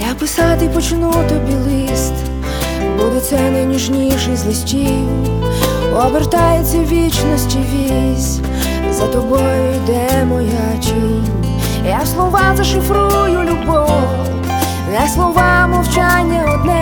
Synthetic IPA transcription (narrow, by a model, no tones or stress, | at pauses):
japɔsɑt̪ɪpɔt͡ʃɪnut̪ɔbʲilˠist̪ | bud̪ɛt̪sɛnɐjniʒnʲiʃɛzlˠisʲt͡ʃi | ɔʋert̪ajet͡sʲːɐʋʲit͡ʃnɔsʲtʲiʋʲi | sʲ | zɐt̪ɔbɔjʊjd̪ɛmɔja | t͡ʃinʲ | jaslˠɔʋɑzɐʃɪfɾujʊlʲubɔ | nɛslˠɔʋɑmɔwt͡ʃanʲːɐɔd̪nɛ